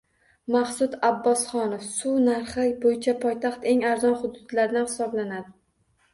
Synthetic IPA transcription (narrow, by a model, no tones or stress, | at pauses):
maχsʊd̪abːɒsχɒnofsʊnaɾχɪbojɪt͡ʃʰapʰɒjt̪ʰɑχt̪e̞ŋaɾzɒnχʊd̪ʊd̪̥laɾd̪anhɪ̥sɒblanad̪ɪ